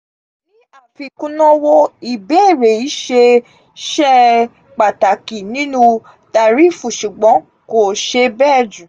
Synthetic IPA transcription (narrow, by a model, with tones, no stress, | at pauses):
ĩ˨˦a˦˨fi˧kũ˦nɔ̃˦wo˧i˨bɛ˦˨ɾe˨i˨˦ʃe˧ | ʃɛ˦ | k͡pa˨ta˨ki˨nĩ˨˦nũ˧ | ta˧˨ɾi˨˦fũ˨ʃu˨ɡ͡bɔ̃˨˦ | ko˨ʃe˧bɛː˦˨d͡ʒũ˨